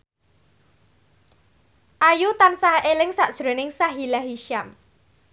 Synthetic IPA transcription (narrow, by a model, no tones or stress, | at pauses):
ʔajut̪ansaɦʔelɪŋsaʔd̥ʒ̥ɾo̤nɪŋsaɦilaɦiʃam